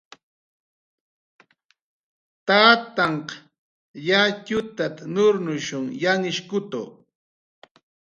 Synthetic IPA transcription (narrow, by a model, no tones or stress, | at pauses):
t̪aːt̪ɑɴqɑ̥ | jacʊt̪at̪anʊɾnʊʃʊŋjaŋɪʃkʊt̪o̰